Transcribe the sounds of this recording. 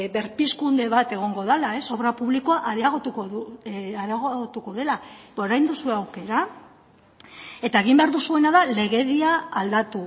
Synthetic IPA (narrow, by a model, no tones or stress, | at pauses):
βe̞ɾpiskund̪e̞βat̪e̞ɣ̞o̞ŋɡo̞ð̞alae̞so̞βɾapuβliko̞aʔaðiaɣot̪ukouaðaɣoɣot̪uko̞ðe̞laoɾajnd̪usue̞awke̞ɾa | e̞t̪aeɣ̞imbe̞aɾðusue̞naðale̞ɣe̞ðiaːld̪at̪u